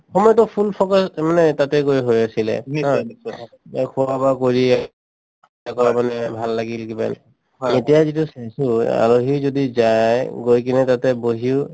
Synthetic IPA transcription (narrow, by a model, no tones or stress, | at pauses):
xɔmɔjɔtɔpʰulpʰɔkɔsmanɛtatɛkojɦojasilɛ̰ã | kʰuwabakoɹiɛ | takɔɹamanɛbʱalːaɡilkiba̰n̰ | etijazitusasua̰loɦizodizajɡojkinɛtatɛboɦiʊ